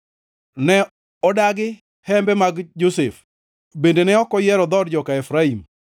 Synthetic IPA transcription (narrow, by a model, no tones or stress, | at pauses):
nɛ | ɔdaɡɪ | hɛmbɛmaɡd͡ʒosef | bendenɛɔkɔjɛɾɔd̪ɔdd͡ʒɔkaɛfɾaim